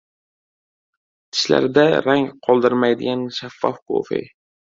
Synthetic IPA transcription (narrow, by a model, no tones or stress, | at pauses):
t̪ʰɪ̥ʃla̰ɾd̪aɾaŋqʰɒlˠd̪ɪɾmajd̪ɪɡʲanʃafːɒfkʰo̰fḛj